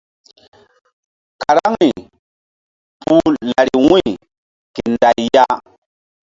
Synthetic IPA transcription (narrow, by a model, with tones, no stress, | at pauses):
ka˨ɾa˦ŋni˨ | pu˦la˨ɾi˨wĩ˦˨ | ke˨nda˨jja˦